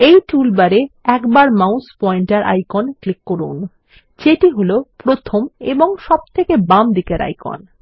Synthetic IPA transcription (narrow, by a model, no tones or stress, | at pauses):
ejʈulbaɾeɛkbaɾmawspɔiɳʈaɾʔa̰jkonklikːoɾṵn | d͡ʑeʈiɦolopɾot̪ʰomeboŋʃɔb̚t̪ʰekebamd̪ikeɾa̰jko̰n